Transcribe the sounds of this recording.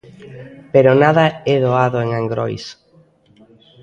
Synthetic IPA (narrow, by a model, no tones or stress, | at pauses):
peɾonaðɐɛðoaðoeŋaŋɡɾo̰js